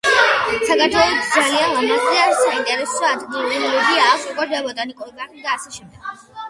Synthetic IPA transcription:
sakʰaɾt̪ʰwɛlˠɔt̪d̪zalianlˠamazaɾsaint̪ʼɛɾɛsɔad̪ɡilˠuɾilɔlɔɡiaːksukʼwɛɾd̪abɔt̪ʼanikʼuɾɡand̪aːsɛʃɛmd̪ɛɡ̥

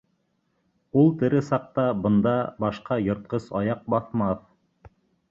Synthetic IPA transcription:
ulˠt̪ɘ̆ɾɘsɑq̚t̪ɑbɤ̆nd̪ɑbɑʃqɑjŏɾt̪̚qɤsɑjɑq̚bɑθmɑθ

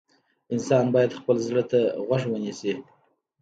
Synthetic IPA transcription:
ɪnsɑnbɑjad̪xpəlzɾət̪aɣwaʂ̬wənisi

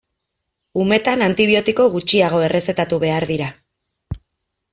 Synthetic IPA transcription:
ume̞t̪anant̪iβ̞io̞t̪iko̞ɣut͡ʃiaɣ̞o̞e̞rʔe̞se̞t̪at̪uβ̞e̞aɾðiɾa

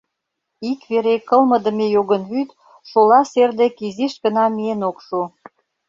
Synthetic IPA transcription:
ikβeɾekə̆lmə̆d̪ə̆mejoɣənβyt̪ | ʃolɑserd̪ekiziʃkə̆nɑmienokʃu

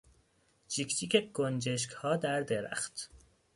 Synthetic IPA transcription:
t͡ʃʰicʰt̪ʰiːcʰeɡ̥ond͡ʒeʃ̬khɒːd̪æɾd̪eɾæ̰xt̪

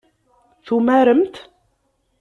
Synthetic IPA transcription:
θumæɾəmt̪

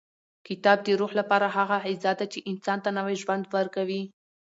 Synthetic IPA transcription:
kɪt̪ɑb̚d̪əɾuhlapɑɾaɦaɣaʕɪzad̪at͡ʃeʔɪnsɑnt̪anawajʒwand̪wəɾkawi

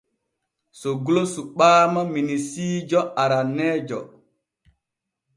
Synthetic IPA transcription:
soɡulosuɓaːmaminisiːd͡ʒɔʔaɾanːɛːd͡ʒɔ

